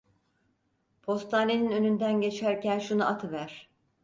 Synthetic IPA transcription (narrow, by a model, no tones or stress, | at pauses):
pʰo̞st̪ʰaːne̞ninø̞nynd̪ænɟe̞t͡ʃʰæɾcænʃunaʔat̪ʰɯvæɾ̥